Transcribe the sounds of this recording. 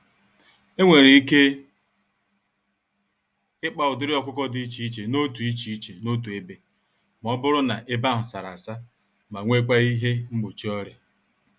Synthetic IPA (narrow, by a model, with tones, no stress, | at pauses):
e˦ŋʷe˨ɾe˨i˦ke˦ | ɪ˦k͡pa˨ʊ˨dɪ˦ɾɪ˦ɔ˦kʷʊ˦kɔ˦dɪ˨˦i˦t͡ʃi˨˦i˦t͡ʃe˨no˦tu˨i˦t͡ʃi˨i˦t͡ʃe˨no˦t̬u˨e˦be˨ | m˨ɔ˦bʊ˦ɾʊ˦na̰˨ʔɪ˦ba˦ɦʊ˨sa˨ɾa̰˨sa˦ | ma˨ŋʷe˦kʷa˦i˦ɦe˦ŋ͡m̩˦ɡ͡bo˨t͡ʃi˦ɔ˦ɾe˨